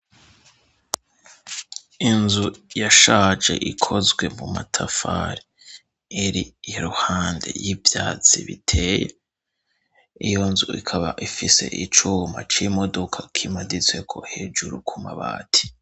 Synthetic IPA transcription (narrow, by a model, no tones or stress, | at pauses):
inzujaʃaːd͡ʒe̞̰ʔikʰo̞zɡwe̞mumatʰafa̰ɾiː | ɾiɾuhaːnde̞̰jivjaːt͡sḭβitʰe̞ːje | ijo̞nzuikʰaβaʔifise̞̰ʔit͡ʃuːma̰t͡ʃimo̞dokʰakʰimadit͡swe̞kʰo̞̰he̞ːd͡ʒuɾukʰumaβa̰ːtʰi̥